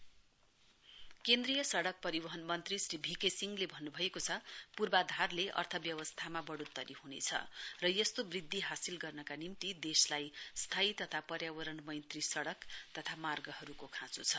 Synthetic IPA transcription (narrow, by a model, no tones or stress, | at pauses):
kend̪rijʌsʌɽʌk̚pʌɾibʌɦʌnmʌnt̪risribʱikesiŋɡlebʱʌnːubʱʌekot͡sʰʌpurbad̪ʱarleʔʌ̰rt̪ʰʌbjʌwʌst̪ʰamabʌɽut̪ːʌɾihunḛt͡sʰʌ̰rʌjʌst̪obrid̪ʱːiɦasilɡʌrnʌkanimt̪id̪eslajst̪ʰait̪ʌt̪ʰapʌɾjabʌɾʌnmʌjnt̪risʌɽʌkt̪ʌt̪ʰamarɡʌɦʌɾukokʰãt͡sṵt͡sʰʌ